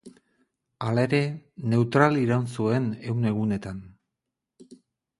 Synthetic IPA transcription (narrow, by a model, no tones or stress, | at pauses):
alae̞ɾe̞ne̞wt̪ɾaliɾawnsue̞ne̞wne̞ɣ̞une̞t̪an